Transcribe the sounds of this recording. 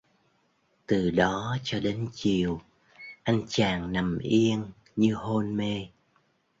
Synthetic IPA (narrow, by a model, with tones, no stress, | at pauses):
t̪ɨ˨˩ɗɔ˨˦t͡ɕɔ˧ɗe˨˦nt͡ɕi˨˩əw | ʔa˧jŋt͡ɕaː˨˩ŋna˨˩mʔi˧ən | ɲɨ˧ɦo˧nme˧